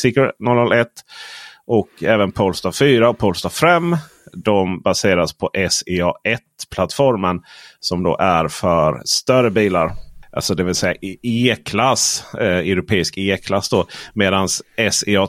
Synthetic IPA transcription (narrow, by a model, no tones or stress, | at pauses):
sɪknɔlnɔlɛt̪ːʔɔkʰɛːvənpʰɔlst̪afyːɾaɔpʰɔːlst̪ɑfɾɛmː | d̪ɔmbaseːɾaspʰɔʔɛseɑːɛt̪pʰlat̪ːfɔɾmənsɔmd̪o̰ːʔæɾfœɾst̪œɾəbiːlaɾʔa̰lsɔd̪ɛvɪlsɛjːa̰eːkʰlasœɾʊpʰeːɪskeːkʰlasːd̪ɔmeːd̪ansɛsɪɑː